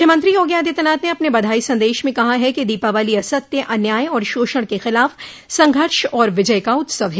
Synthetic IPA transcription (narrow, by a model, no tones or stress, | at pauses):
jəmɐ̃nt̪ɾijoːɡjaːd̪it̪ɐnaːt̪neɐpnebɐd̪ʱaːisɐ̃nd̪eːʃmẽkɐɦaɦɛkid̪iːpaʋaːliɐsət̪̚ːeʔɐnjaːjɔːɾʃoːʃəɽ̃kexɪlaːf | sɐ̃ŋɡʱəɾʃɔːɾʋɪd͡ʒəjkaʊt̪səʋe